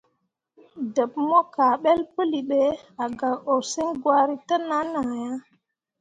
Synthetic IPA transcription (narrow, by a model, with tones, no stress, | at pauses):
də˨p̚mo˦ka˨ɓe˦lpə˦li˨ɓe˨a˨ɡa˨o˨sə˦ŋɡwa˦ɾi˦tə˦na˦na˨ja˦